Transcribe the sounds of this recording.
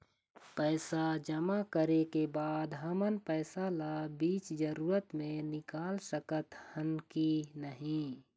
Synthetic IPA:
pɛːsad͡ʒəmakəɾekebaːd̪ɦəmənpɛːsalabiːt͡ʃd͡ʒəɾuːɾət̪mẽnɪkaːlsəkət̪hənkinəɦĩ

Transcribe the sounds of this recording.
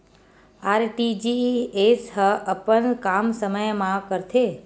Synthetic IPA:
aɾʈid͡ʒiesɦəʔəpəɳkamsəməjmãkəɾt̪ʰe

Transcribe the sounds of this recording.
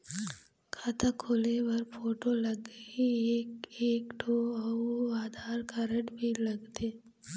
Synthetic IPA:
kʰaːt̪ʰakʰoːlewɐɾfoːʈolɐɡiekeːkʈʰoːɔoaːd̪ʱaːɾkaɾəʈbʱilɐɡt̪eː

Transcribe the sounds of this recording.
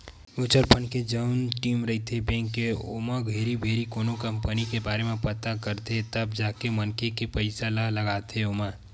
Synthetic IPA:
ʊt͡ʃəɾpʰənked͡ʒəʊnʈiːmɾɐit̪ʰebẽːŋkːeo̰ːmaɡʱeːɾibʱeːɾikoːnokə̃mpənikebaːɾemẽpət̪akəɾt̪et̪əbd͡ʒaːkemənkekepəɪsaləɦləɡaːt̪eoːma

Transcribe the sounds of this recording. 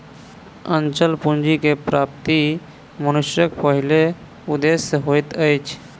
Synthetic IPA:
ənt͡ʃəlpund͡ʒikepɾap̚t̪i | mənuʃjəkpəɦile | ud̪esːeɦojt̪əjt͡ʃʰ

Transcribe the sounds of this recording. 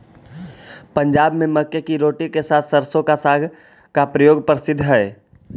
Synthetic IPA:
pə̃ɲd͡ʒaːbmẽmɐkjəkiɾoːʈikesaːt̪ʰsɐɾsõkasaːɡʱ | kapɾəjoːɡpɾɪsɪd̪ʱːɦɛː

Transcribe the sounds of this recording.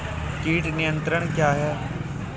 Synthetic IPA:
kiːʈnɪjə̃nt̪ɾəɳ̃kjaːɦɛː

